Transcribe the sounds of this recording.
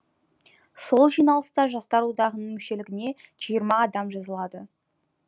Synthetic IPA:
so̞lˠʒijnɑlˠəst̪ɑʒɑst̪ɑɾwod̪ɑʁənəmʏʃe̞lɪɡʲɪne̞ʒ̥ijəɾmɑːd̪ɑmʒɑzəlˠɑd̪ə

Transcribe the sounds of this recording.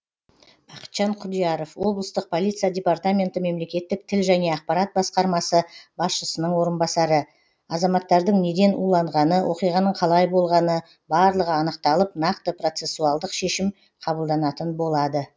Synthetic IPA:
b̥ɑqə̥t̪ʒ̥ɑɴqʰʊd̪ijɑɾo̞fwo̞blˠəst̪əq̚pʰolˠit̪sɨjadʲe̞part̪amʲe̞nt̪əme̞mle̞kʲe̞t̪ːɪk̚t̪ʰɪlʒæne̞ɑq̚pɑɾat̪̚bɑsqɑɾmɑsəbɑsʃəsənəɴwo̞ɾənbɑsɑɾə | ɑzɑmɑt̪ːɑɾd̪əɴne̞d̪e̞nṵlˠɑɴʁɑnəwʔo̞qijʁɑnəɴqʰɑlˠɑjbo̞lˠʁɑnə | bɑɾlˠəʁəɑnəq̚t̪ɑlˠəp̚nɑq̚t̪əpro̞t̪se̞sːuɑlˠd̪əqʃe̞ʃɪm | qʰɑbəlˠd̪ɑnɑt̪ənbo̞lˠɑd̪ə

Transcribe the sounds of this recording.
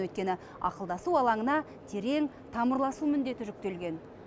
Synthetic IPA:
wɵt̪̚kʲe̞nɪ | ɑ̰qəlˠd̪ɑsuɑlˠɑɴənɑ | t̪ʰe̞ɾe̞ŋ | t̪ʰɑməɾlˠɑsumʏnd̪e̞t̪ɪʒʏk̚t̪e̞lɡʲe̞n

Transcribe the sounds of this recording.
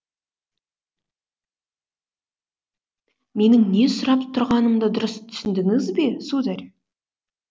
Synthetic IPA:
me̞nɪŋne̞sʊɾɑpt̪ʰʊɾʁɑnəmd̪əd̪ʊɾəst̪ʰʏ̥sɪnd̪ɪŋɪzbe̞sud̪æɾʲ

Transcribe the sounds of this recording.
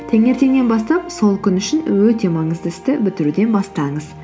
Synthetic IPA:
t̪ʰeŋe̞ɾt̪e̞ŋne̞nbɑst̪ɑpso̞lˠkʲʰʏnʏʃɪnwɵt̪e̞mɑɴəzd̪əɪst̪ɪbɪt̪ɪɾud̪e̞nbɑst̪ɑɴəz̥

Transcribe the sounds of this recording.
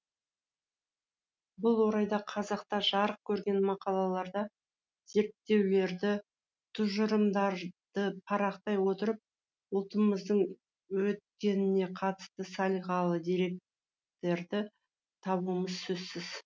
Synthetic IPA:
bʊlˠwo̞ɾɑjd̪ɑqʰɑzɑqt̪ɑʒɑɾəq̚kʲʰɵɾɡʲe̞nmɑqɑlˠɑlˠɑɾd̪ɑ | z̥e̞ɾt̪ːe̞wle̞ɾd̪ɪ | t̪ʰʊʒʊɾəmd̪ɑɾd̪̥əpʰɑɾɑqt̪ɑjwo̞t̪əɾəp̚ | ʊlˠt̪əməzd̪əɴ | wɵt̪̚kʲe̞nɪne̞qʰɑt̪ə̥st̪əsɑlˠiʁɑlˠəd̪ijɾe̞k̚ | t̪e̞ɾd̪ɪ | t̪ʰɑβuməzsɵzsɪz

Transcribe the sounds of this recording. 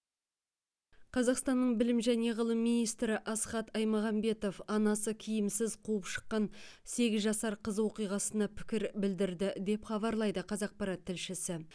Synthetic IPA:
qʰɑzɑqst̪ɑnːəɴbɪlɪmʒæne̞ʁəlˠəmːijnijst̪ɾɪʔɑsχɑt̪ɑjmɑʁɑmbe̞t̪o̞fɑnɑsəkʲʰɪjɪmsɪzqʰuəpʃə̥qːɑn | se̞ɡʲɪzʒɑsɑɾqʰəzwo̞qijʁɑsənɑpʰɪ̥kʲɪɾbɪld̪ɪɾd̪ɪd̪e̞pχɑβɑɾlˠɑjd̪əqʰɑzɑq̚pɑɾɑt̪ʰːɪlʃɪsɪ

